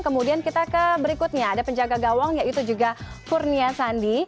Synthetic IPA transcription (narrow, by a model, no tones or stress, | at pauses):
kəmudiankit̪akəbəɾikut̪̚ɲaːdapəɲd͡ʒaɡaɡawaŋjait̪ud͡ʒuɡa | furniasandi